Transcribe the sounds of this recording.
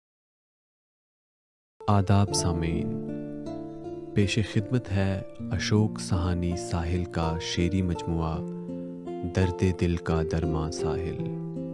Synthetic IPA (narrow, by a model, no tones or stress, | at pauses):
aːd̪aːbsaːmeːn | peːʃexɪd̪mət̪ɦɛɐʃoːksɐɦaːnisaːɦɪlkaʃeːɾimɐd͡ʒmuːa | d̪ɐɾd̪eːd̪ɪlkad̪ɐɾmasaːɦɪl